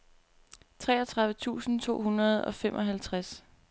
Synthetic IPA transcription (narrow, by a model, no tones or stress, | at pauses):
t͡sʰʁɛ̰ːɐt͡sʰʁɑ̈ðˠʋət͡sʰṵːsn̩t͡sʰo̝̰ːɦunɐð̞̩ˠɒ̽femʔɒɦælt͡sʰʁas